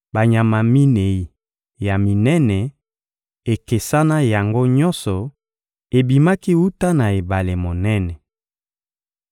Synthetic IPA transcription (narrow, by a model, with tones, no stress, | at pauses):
ba˨ɲa˨ma˨mi˦ne˨i˨ | ja˨mi˨nɛ˦nɛ˨ | e˨ke˨sa˦na˦ja˨ŋɡo˦ɲɔ˦sɔ˨ | e˨bi˨ma˦ki˦wu˦ta˦na˨e˨ba˨le˨mo˨nɛ˦nɛ˨